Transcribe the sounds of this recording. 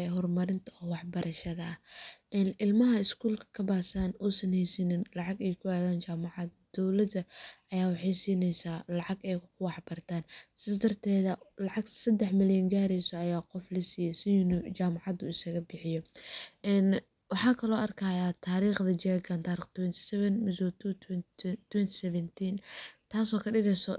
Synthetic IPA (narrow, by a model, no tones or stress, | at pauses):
ɦɔrmɐɾɪnt̪ʰɐɔwɑħbɐɾʔɐʃɐðɐːʔɛːnɪlmɐɦɐɪskʰuːlkʰɐ̥kʰɐbaːsaːnɔːsɐnhɛjsɪnɪnlɑʕɑɡɛjkʰʊaːðaːnt͡ʃaːmɑʕɑd̪d̪̥ɔwlɐd̪ɐʔɐjaːwɑħejsiːnɛjsaːlɑʕɑɡɛjkʰʊwɑħbɐrt̪ʰaːnsɪðɐd̪ɐrt̪ʰɛːðɐlɑʕɑɡsɐd̪ɛħmɪljɐŋɡaːɾɛjsɔɐjaːqɔflɐsiːjɛsɪnʊd͡ʒaːmɑʕɑd̪ʊɪsɐɣɐbɪħɪjɔʔɛːn | wɑħɑːkʰɐlɔːʔɐrkʰajaːt̪ʰaːɾiːχðɐd͡ʒɛːɡɐnt̪ʰaːɾiːχt̪ʰwɛnt̪ʰɪ̥sɛβɛnmɪsuːt̪ʰuwt̪ʰwɛnt̪ʰɪ̥sɛβɛnt̪ʰiːnt̪ʰaːsɔːkʰɐɖɪɣɛjsɔ